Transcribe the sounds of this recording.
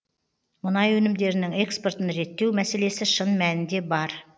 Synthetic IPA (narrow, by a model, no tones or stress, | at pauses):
mʊnɑjwɵnɪmd̪e̞ɾɪnɪŋe̞kspo̞ɾt̪ənɾe̞t̪ːe̞wmæse̞le̞sɪʃənmænɪnd̪e̞bɑɾ